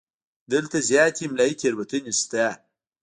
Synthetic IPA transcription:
d̪əlt̪azjɑːt̪imlaik̪ʰeɾwət̪ənist̪a

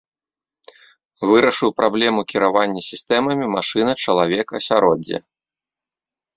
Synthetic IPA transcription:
vɨɾɐʂɨwpɾʔablʲɛmukʲiɾavanʲːɐsʲist̪ɛmɐmʲimaʂɨnɐt͡ʂɐlˠavʲɛkɐ̰sʲaɾɔd͡zʲːɛ̰

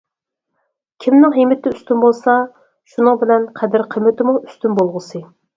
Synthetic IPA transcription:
kʲʰimnɪŋɦimɪt̪ɪyst̪ynbolˠsɑ | ʃunɨŋbɪlɛnqʰɛd̪ɪɾqʰəmːɪt̪ɪmuʔyst̪ynbolˠʁəsɨ

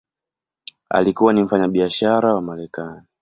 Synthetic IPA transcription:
a̰likuwanim̩faɲaɓiaʃaɾawamaɾɛkani

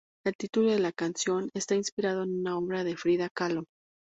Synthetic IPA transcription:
e̞lt̪it̪ulo̞ðe̞lakansjo̞ne̞st̪ainspiɾað̞o̞enunao̞βɾaðe̞fɾiðakalo̞

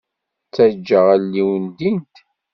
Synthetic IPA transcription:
t͡sːæd͡ʒːəʁælːiwənd̪int̪

